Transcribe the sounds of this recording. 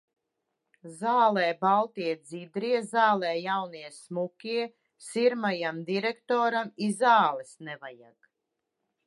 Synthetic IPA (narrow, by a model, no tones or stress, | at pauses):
zaːlˠɛːbalˠt̪iɛd̪zid̪ɾiɛzaːlˠɛːjawniɛsmukʲiɛ | siɾmajamd̪iɾɛkt̪ɔːɾamizaːlˠɛsnɛvaja̰ɡ